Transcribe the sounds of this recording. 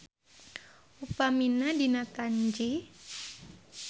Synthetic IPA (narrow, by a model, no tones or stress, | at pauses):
upaminadinakaɲd͡ʒi